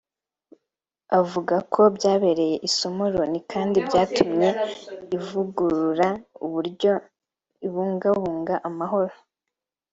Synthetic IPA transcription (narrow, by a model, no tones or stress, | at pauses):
avuɡakʰo̞bɟaːβe̞ɾe̞je̞ʔiso̞mo̞ɾo̞nikʰaːndibɟaːtumɲe̞ivuɡuɾuɾauβuɾɟo̞ | iβuːŋɡaβuːŋɡaʔamaɦo̞ɾo